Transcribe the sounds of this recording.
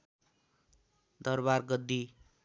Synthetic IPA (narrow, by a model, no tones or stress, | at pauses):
d̪ʌrbarɡʌd̪ːi